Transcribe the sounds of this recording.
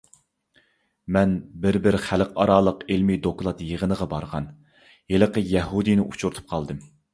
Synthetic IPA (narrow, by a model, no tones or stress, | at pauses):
mɛnbɪɾbɪɾχælqɑɾɑːlˠəqelmid̪oklˠɑt̪jəʁənəʁɑbɑɾʁɑ̰n | jelˠəqəjɛɦud̪ɨnɪʔut͡ʃʰuɾt̪ʰu̥p̚qʰɑlˠd̪ɨm